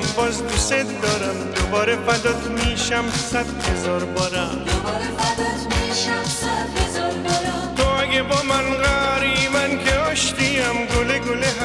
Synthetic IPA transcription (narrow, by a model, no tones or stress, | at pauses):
bɔzd̪uset̪d̪ɔɾamd̪obɔɾefad̪ɔt̪miʃamsad̪hezɔɾbɔɾa | ɾmiʃa | sahezɾ | t̪oaɡebɔmanɣaɾimankʰeɔʃt̪iamɡoleɡoleɦ